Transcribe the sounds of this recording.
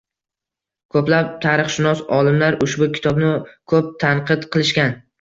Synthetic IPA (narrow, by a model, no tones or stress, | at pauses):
kʰɵplap̚t̪ʰaɾɨχʃɪnɒsɒlˠɪmlaɾʊʃbʊkʲʰɪ̥t̪ʰɒbnɪkʰɵp̚t̪ʰanqʰɨd̪qʰɨlˠɪʃkʲan